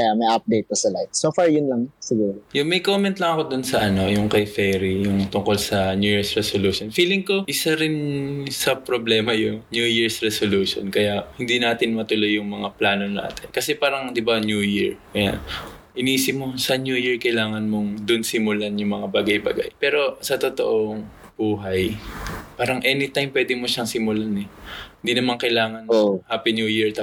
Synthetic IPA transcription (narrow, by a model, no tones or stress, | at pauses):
kɐjamɐjʔap̚d̪ejt̪̚pɐsɐlajt̪̚soːfaɹjʊnlaŋsɪɡuːɾojʊŋmɐjkomɛnt̪lɐŋɐko̞d̪ʊnsɐʔɐno̞jʊŋkɐjfɛɾijʊŋt̪ʊŋko̞lsɐnjuːjiɹsɹɛsoluːʃonfiːlɪŋko̞ʔɪsaɾɪnsɐpɾoblɛːmɐjʊŋnjujiɹsɹɛsoluːʃo̰nkɐjaʔhɪnd̪inaːt̪ɪnmɐt̪ʊlo̞jːʊŋmɐŋaplaːno̞na̰ːt̪ɪnkɐsɛpaːɾɐŋd̪ɪbanjujiɹkɐja̰n | ʔɪniːsɪp̚mosɐnjujiɹkɐjlaːŋɐnmo̞ŋd̪ʊnsɪmʊlanjʊŋmɐŋabaːɡajba̰ɡa̰jpɛːɾo̞sɐt̪ot̪o̞̰ʔoŋ | b̥uːɦɐjpaːɾɐŋʔɛːnɪt̪ajmpwɛːd̪ɪmoʃɐŋsɪmʊlanɛhɪnd̪inɐmaŋkɐjlaːŋɐnohaːpinjuːjiɹt̪